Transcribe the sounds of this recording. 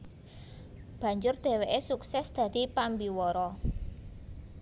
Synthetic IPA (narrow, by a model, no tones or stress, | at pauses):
b̥ä̤ɲd͡ʒʊrd̪̥e̤weʔesuksɛsd̪̥ä̤d̪̥i̤pambiwɔɾɔ